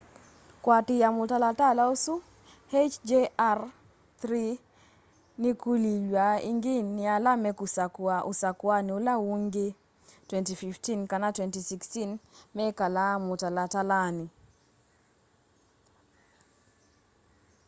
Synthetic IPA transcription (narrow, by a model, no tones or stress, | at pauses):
kwatɪjamʊtalatalaosu | het͡ʃd͡ʒear | t̪ɾi | nikulilwaḭŋɡɪnːɪalamɛkusakaʊsakwaniolawuŋɡe | twɛntififtinkanatwɛntisikstinmɛkalamʊtalatalanɪ